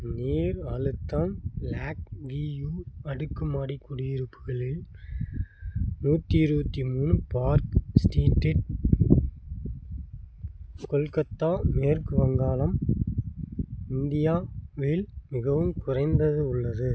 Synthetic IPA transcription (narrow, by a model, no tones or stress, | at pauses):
neːɾɐlɯt̪ːaːnlaːk̚ʋiːjuːɐɽɯkːɯmaːɽikːʊɽɪjɪɾɯpːɯɣɐɭɪl | nuːt̪ːiɪɾɯbɐt̪ːimuːnɯpaːɾksʈiːʈːɪʈ̚ | kɔlkɐt̪ːaːmeːɾkɯʋɐŋɡaːlɐm | ɪnd̪ɪjaːʋeːlmɪɣɐʋɯmkʊrɐɪnd̪ɐðɯʊɭːɐðɯ